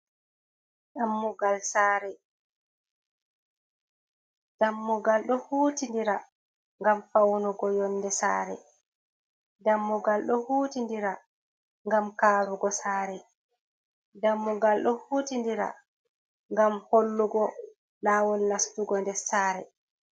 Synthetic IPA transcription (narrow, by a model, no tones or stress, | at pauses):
damːuɡalsaːɾɛ | d̥amːuɡalɗɔhuːtindiɾa | ŋɡamfawnuɡɔjɔnːdɛsa̰ːɾɛ̰ | damːuɡalɗɔhuːtindiɾa | ŋɡamkaːɾuɡɔsaːɾɛ | damːuɡalɗɔhuːtindiɾa̰ | ŋɡamholːuɡɔ | laːwɔlnastuɡɔndɛsaːɾɛ